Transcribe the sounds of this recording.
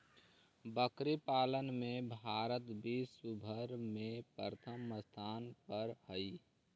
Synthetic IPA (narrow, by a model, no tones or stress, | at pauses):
bəkɾipaːlənmẽbʱaːɾət̪bisubʱəɾmepɾət̪ʰəmːəst̪ʰaːnpəɾhəi